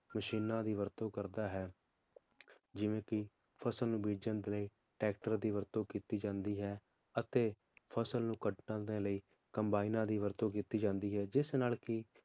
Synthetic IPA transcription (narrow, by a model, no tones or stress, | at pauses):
məʃiːnãːd̪iːʋəɾt̪õːkəɾd̪aːɦɛː | d͡ʒɪʋẽːkɪ | pʰəsəlnũːbiːd͡ʒənd̪eːləiː | ʈɛːk̚ʈəɾd̪iːʋəɾt̪õːkiːt̪iːd͡ʒãːnd̪iːɦɛː | ət̪eː | pʰəsəlnũːkəɖnãːd̪eːləiː | kəmbaːinãːd̪iːʋəɾt̪õːkiːt̪iːd͡ʒãːnd̪iːɦɛːd͡ʒɪsnaːlkɪ